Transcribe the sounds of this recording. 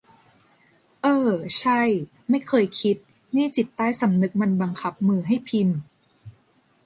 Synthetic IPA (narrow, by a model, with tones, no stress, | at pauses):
ʔɤː˧t͡ɕʰa˥˩j | ma˥˩jkʰɤː˧jkʰi˦˥t̪̚ | niː˥˩t͡ɕi˨˩t̪ːaː˥˩jsa˩˦mnɯ˧˦˥k̚ma˧nba˧ŋkʰa˦˥p̚mɯː˧ɦa˥˩jpʰi˧n